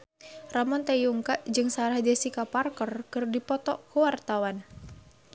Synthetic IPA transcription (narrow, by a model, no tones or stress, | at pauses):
ramɔnt̪ajuŋkaʔd͡ʒɨŋsaɾahd͡ʒasikaparkɔrkɨrdipɔt̪ɔʔkuwart̪awan